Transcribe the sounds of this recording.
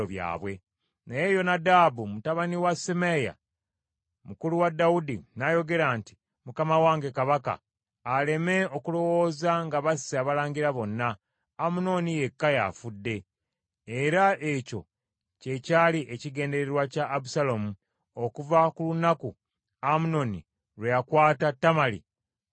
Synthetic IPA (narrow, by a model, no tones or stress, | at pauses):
oβja̰ːβwe̞ | neje̞ːjo̞nadaːbumutaβaniwasemeja̰ | mukuluwadawudinajo̞ɡe̞ɾaːnti̥ | mukamawaːŋɡe̞kaβaka̰ː | le̞me̞o̞kulo̞wo̞ːzaŋɡaβasːaβalaːɲɟiɾaβo̞nːaː | muno̞nije̞kːaja̰fudːe̞ː | ɾaʔe̞co̞̰ | ce̞caːliʔeciɡe̞ːnde̞ɾeɾwacaʔːβusalomu | o̞kuvakulunaku | amuno̞nḭ | ɾwejakwaːtatːamalḭ